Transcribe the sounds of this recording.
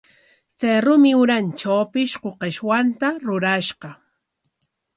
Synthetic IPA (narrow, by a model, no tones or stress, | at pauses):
t͡sajɾʊmɪʊɾant͡ʃawpɪʃqoqeʃwant̪aɾʊɾaʃɢɑ